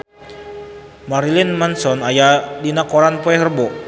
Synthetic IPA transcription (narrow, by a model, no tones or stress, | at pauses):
maɾilɪnmansɔnajadinakoɾanpoɛɦərbɔʔ